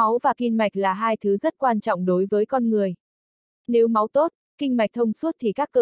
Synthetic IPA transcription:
a˨˦wvaː˨˩ki˧nma˨˩jk̟̚laː˨˩ɦaː˧jt̪ʰɨ˨˦zə˦˥t̚kwaː˧nt͡ɕɔ̰˧˨wŋ͡mɗo˨˦jvəː˨˦jkɔ˧nŋɨ˨˩əj | ne˨˦wma˨˦wt̪o˦˥t̚ | kï˧ŋ̟ma˨˩k̟̚t̪ʰə˧wŋ͡msu˦˥ət̚t̪ʰi˨˩kaː˦˥kːəː˧˩

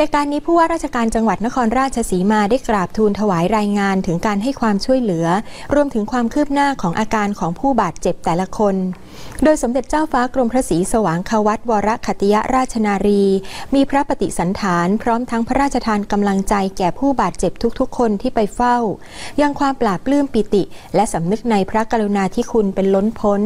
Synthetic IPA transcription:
ʔaː˧kaː˧nːiː˦˥pʰuː˥˩waː˥˩ɾaː˥˩t̪̚t͡ɕʰa˧kaː˧nt͡ɕa˧ŋwa˨˩t̪̚na˦˥kʰɔː˧nɾaː˥t̪̚t͡ɕʰa˧siː˩˦maː˧daː˥˩jklaː˨˩p̚t̪ʰuː˧nt̪ʰa˧waː˩˦jɾaː˧jŋaː˧nt̪ʰɯ˩˦ŋkaː˧nɦa˥˩jkʰwaː˧mt͡ɕʰu˥˩əjlɯ˩˦ɐɾu˧əmt̪ʰɯ˩˦ŋkʰwaː˧mkʰɯː˥˩p̚naː˥˩kʰɔː˩˦ŋʔaː˧kaː˧nkʰɔː˩˦ŋpʰuː˥˩baː˨˩t̪̚t͡ɕe˨˩p̚t̪ɛː˨˩la˧kʰo˧n | doː˧jso˩˦mde˨˩t̪̚t͡ɕaː˥˩wfaː˦˥kɾo˧mpʰɾa˦˥siː˩˦sa˧waː˩˦ŋkʰaː˧wa˦˥t̪̚wɔː˧ɾa˦˥kʰa˨˩t̪i˧ja˦˥ʔɾaː˥˩t̪̚t͡ɕʰa˧naː˧ɾiː˧miː˧pʰɾa˦˥pa˧t̪i˨˩sa˩˦nt̪ʰaː˩˦npʰɾɔː˦˥mt̪ʰa˦˥ŋpʰa˦ɾaː˥˩t̪̚t͡ɕʰa˧t̪ʰaː˧nka˧mla˧ŋt͡ɕa˧jkɛː˨˩pʰuː˥˩baː˨˩t̪̚t͡ɕe˨˩p̚t̪ʰu˦˥k̚t̪ʰu˦˥kʰːo˧nt̪ʰiː˥˩pa˧jfa˥˩w | ja˧ŋkʰwaː˧mplaː˨˩p̚lɯː˥˩mpi˨˩t̪i˨˩lɛ˦˥ʔsa˩˦mnɯ˦˥k̚na˧jpʰɾa˦˥ka˧ɾu˧naː˧t̪ʰiː˥˩kʰu˧npe˧nlo˦˥npʰo˦˥n

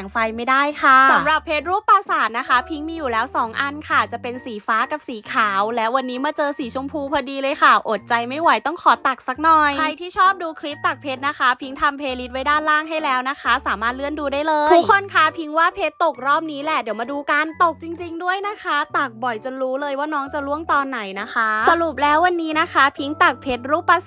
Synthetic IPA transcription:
ŋfa˧jma˥˩jdaː˥˩jkʰa˥˩sa˩˦mɾa˨˩pʰːeː˦˥t̪̚ɾuː˥˩pːaː˧saː˨˩t̪̚na˦˥kʰa˦˥pʰi˦˥ŋmiː˧juː˨˩lɛː˦˥wsɔː˩˦ŋʔa˧nkʰa˥˩t͡ɕa˨˩pe˧nsiː˩˦faː˦˥ka˨˩p̚siː˩˦kʰaː˩˦wlɛː˦˥wa˧nːiː˦˥maː˧t͡ɕɤː˧siː˩˦t͡ɕʰu˧mpʰuː˧pʰaː˧diː˧lɤː˧jkʰa˥˩ʔo˨˩t̪̚t͡ɕa˧jma˥˩jwa˩˦jt̪ɔ˥˩ŋkʰɔː˩˦t̪a˨˩k̚sa˦˥k̚nɔ˨˩jkʰɾa˧jt̪ʰiː˥˩t͡ɕʰɔː˥˩p̚duː˧kʰli˦˥p̚t̪a˨˩k̚pʰe˦˥t̪̚na˦˥kʰa˦˥pʰi˦˥ŋt̪ʰa˧mpʰeː˧li˦˥t̪̚wa˦jdaː˥˩nlaː˥˩ŋɦa˥˩jlɛː˦˥wna˦˥kʰa˦˥saː˨˩˦maː˥˩t̪̚lɯ˥˩ənduː˧daː˥˩jlɤː˧tʰuː˦˥tkʰːo˧nkʰa˥˩pʰi˦˥ŋwaː˥˩pʰeː˦˥t̪ːo˨˩k̚ɾɔː˥˩p̚niː˦˥lɛ˨˩di˩˦wmaː˧duː˧ka˧nt̪o˨˩k̚t͡ɕi˧ŋt͡ɕi˧ŋdu˥˩əjna˦˥kʰa˦˥t̪a˨˩k̚bɔ˨˩jt͡ɕo˧nɾuː˦˥lɤː˧jwaː˥˩nɔː˦˥ŋt͡ɕa˨˩lu˥˩əŋt̪ɔː˧nːa˨˩jna˦˥kʰa˦˥sʔsa˧ɾu˨˩p̬̚lɛː˦˥wa˧nːiː˦˥na˦˥kʰa˦˥pʰi˦˥ŋt̪a˨˩k̚pʰe˦˥t̪̚ɾuː˦˥pa˦˥s

